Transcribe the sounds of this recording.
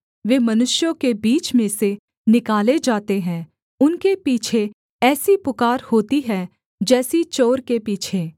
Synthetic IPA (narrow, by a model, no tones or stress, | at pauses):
ʋeːmɐnʊʃjõkebiːt͡ʃmẽse | nɪkaːled͡ʒaːt̪eɦɛ̃ː | ʊnkepiːt͡ʃʰe | ɛːsipʊkaːɾhoːt̪iɦɛː | d͡ʒɛːsit͡ʃoːɾkepiːt͡ʃʰeː